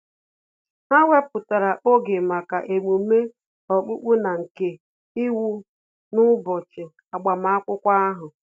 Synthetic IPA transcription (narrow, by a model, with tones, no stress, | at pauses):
ha˦wʷe˦pʊ˨ta˨ɾa˨ʔo˦ɡe˨ma˨ka˨ʔe˨mu˨me˦ | ɔ˨k͡pu˦k͡pu˦na˨ŋ̩˨ke˨ | ɪ˦wu˦ | nʊ˦bɔ˨t͡ʃɪ˨ | a˨ɡ͡ba˨ma˦a˦kʷʊ˦kʷa˦a˦ɦʊ˨